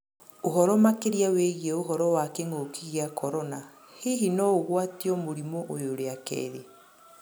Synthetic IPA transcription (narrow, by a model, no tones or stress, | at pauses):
oɦɔɾɔmakeɾiaweɣiɛoɦɔɾɔwakeŋokiɣiakʰɔɾɔna | heɦinɔoɣwatiɔmoɾimɔʔojoɾeakɛ̰ðe